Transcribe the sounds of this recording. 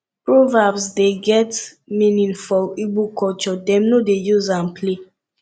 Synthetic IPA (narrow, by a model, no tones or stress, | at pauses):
pɹovabsdeɡɛt | mĩnĩnfɔibukɔt͡ʃɔdɛ̃mnodejuzãnpʰle